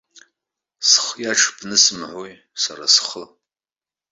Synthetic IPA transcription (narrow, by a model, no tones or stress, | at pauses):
sχjaʈ͡ʂʰb̥nɨsmʕʷoj | saɾa̰sχə